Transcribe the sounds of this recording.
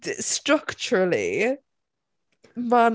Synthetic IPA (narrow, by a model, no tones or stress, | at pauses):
stɹ̥ʌkt͡ʃəɹəlḭ | man